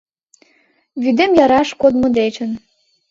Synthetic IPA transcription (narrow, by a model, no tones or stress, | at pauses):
βyd̪emjɑɾɑʃkod̪mŏd̪et͡ɕə̆n